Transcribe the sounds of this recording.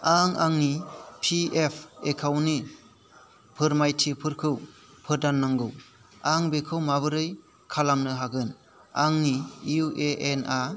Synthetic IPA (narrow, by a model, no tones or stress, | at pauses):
aŋaŋnipʰiepʰekʰawni | pʰɯɾmajtʰipʰɯɾkʰɯw | pʰɯɾdanːaŋɡɯw | aŋbekʰɯwmaβɯɾɯj | kʰalamnɯɦaɡɯn | aŋniuʔeʔena